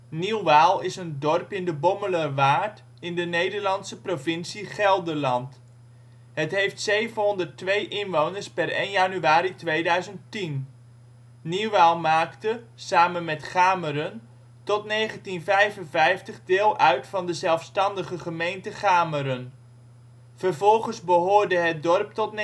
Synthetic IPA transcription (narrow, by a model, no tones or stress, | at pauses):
niwʋaːlˠɪsəndɔrpɪndəbɔmələrʋaːɹt | ɪndənejdəɹlɑnsəprovɪnsiχɛlˠdəɹlɑnt | ɦətɦejftsejvənɦɔndərtʋejʔɪnʋownəɹspɛrejnjanyaːɾitʋejdœɥzəntin | niwʋalˠmaːktə | saːmənmɛtχaːməɾən | tɔtnejχəntinvɛjvənvɛjftəχdɪːlˠʔœɥtfɑndəzɛlˠfstɑndəχəχəmejntəχaːməɾən | v̥ərvɔlˠχənzbəɦʊːɹdəɦət̚dɔrp̚tɔtn